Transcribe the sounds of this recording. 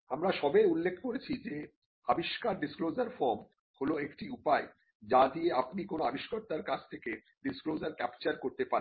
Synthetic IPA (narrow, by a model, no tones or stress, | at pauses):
amɾaʃɔbejulːekʰkoɾet͡ɕʰid͡ʑe | abiʃkaɾɖisklod͡ʑaɾfɔɾm | holoekʈiupae | d͡ʑad̪ieapnikonoabiʃkaɾt̪aɾkad͡ʑʰt̪ʰeke | ɖisklod͡ʑaɾkɛpt͡ɕaɾkoɾt̪epaɾen